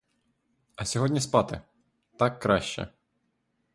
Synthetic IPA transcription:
ɐsʲɔɦɔdʲnʲispɑt̪ɪ̰ | t̪ɑkːɾɑʃt͡ʃɛ̰

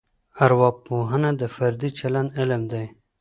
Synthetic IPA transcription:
aɾwɑbpːoɦənad̪əfaɾd̪it͡ʃaland̪ɪləmd̪aj

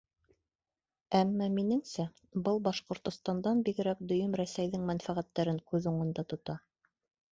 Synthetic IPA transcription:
æmːæminɘ̆ŋsæ | bɤlˠbɑʃqŏɾt̪ŏst̪ɑnd̪ɑnbiɡɘ̆ɾæk̚d̪ɵ̆jɵmɾæsæjðɘŋmænfæʁæt̪ːæɾɘŋkʉðuɴɤ̆nd̪ɑt̪ŏt̪ɑ

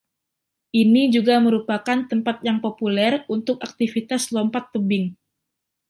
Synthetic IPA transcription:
ʔinid͡ʒuɡaməɾupakant̪əmpat̪̚jaŋpopulɛrunt̪ʊk̚ak̚t̪ifit̪aslɔmpat̪ːəbɪŋ

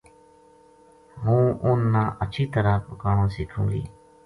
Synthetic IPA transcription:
ɦũːʊnːaːʔət͡ʃʰiːt̪əɾaːpəkaːɳõːsiːkʰũːɡḭː

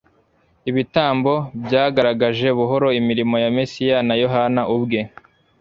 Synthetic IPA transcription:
iβitaːmbo̞bjaːɡaɾaɡaʒe̞βuɦo̞ɾo̞imiɾimo̞jamesijanajo̞ɦanaʔubɡe̞

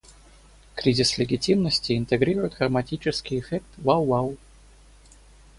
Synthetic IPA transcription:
kɾʲizʲɪslʲɪɡʲɪtʲimnəsʲtʲɪɪnt̪ɨɡɾʲiɾʊjɪt̪ɡəmatʲit͡ɕɪskʲɪɪfʲɛk̚t̪vawːaw

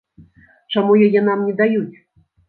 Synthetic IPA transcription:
t͡ʂamujajɛnamnʲɛd̪ajut͡sʲ

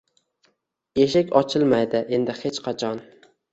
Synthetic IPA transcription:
eʃɪkʲɒt͡ʃʰɪlˠmajd̪ɪʔe̞nd̪ɪhet͡ʃqʰɑt͡ʃʰɒn

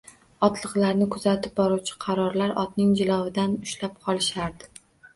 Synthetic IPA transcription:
ɒt̪lˠɨqlˠaɾnɪkʰʊzat̪ʰɪp̚bɒɾuwt͡ʃʰɪ̥qʰɑɾɒɾlaɾɒt̪̚nɪŋd͡ʒɪlˠɒwɪd̪anʊʃlap̚qʰɒlˠɪʃaɾd̪ɪ

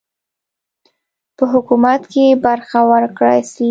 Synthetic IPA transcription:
pəɦʊkumat̪kebaɾxawəɾkɽajs

